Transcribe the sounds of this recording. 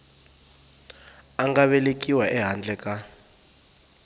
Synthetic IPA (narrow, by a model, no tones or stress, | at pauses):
aŋɡaβɛlekʼiwaʔɛɦand͡ɮɛkʼa